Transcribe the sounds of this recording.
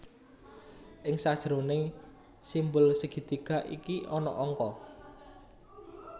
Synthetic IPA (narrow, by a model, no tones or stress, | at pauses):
ʔɪŋsad̥ʒ̥ɾone | simbʊlsəɡ̥i̤d̪̥i̤ɡ̥a̤ʔḭkiɔnɔ̰ʔɔŋkɔ